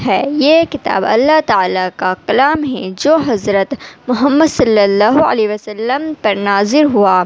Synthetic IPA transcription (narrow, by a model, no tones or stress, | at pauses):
ɦɛːjeːkɪt̪a̰ːbɐ̰lːaɦt̪aaːlakaqɐlaːmɦɛ̃d͡ʒoːɦɐzɾət̪mʊɦəmːəd̪sɐlːəlːaːɦuɐ̰leːʋɐsɐlːəmpɐɾnaːzɪɾɦuaː